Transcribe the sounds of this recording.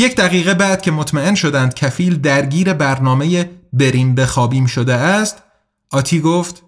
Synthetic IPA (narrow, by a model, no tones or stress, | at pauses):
je̞cʰd̪æɣiːɣe̞bæd̪̥̚cʰe̞mot̪ʰmæe̞nʃo̞d̪ænd̪̥̚cʰæfiːld̪æɾɟiːɾe̞bæɾnɒːmejebe̞ɾinbe̞xɒːbiːmʃo̞d̪eæst̪ | ʔɒːt̪ʰiːɡoft̪